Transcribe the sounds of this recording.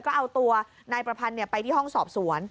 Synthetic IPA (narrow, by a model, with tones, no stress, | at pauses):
kɔː˥˩ʔa˧wt̪u˧ɐ | naː˧jpɾa˧pʰa˧nːi˥˩ɐpa˧jt̪ʰiː˥˩ɦɔ˥˩ŋsɔː˨˩p̚su˩˦ən